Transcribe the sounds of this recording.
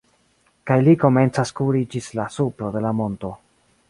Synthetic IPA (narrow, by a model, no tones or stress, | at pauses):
kajliko̞me̞nt͡saskuɾid͡ʒislasuplo̞de̞lamo̞nto̞